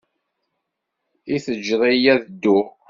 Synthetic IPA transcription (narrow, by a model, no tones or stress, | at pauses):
iθəd͡ʒɾˤijæðəd̪ːʊ